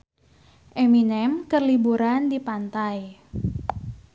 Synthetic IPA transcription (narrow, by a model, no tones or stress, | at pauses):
ʔeminɛmkərlibuɾandipant̪aj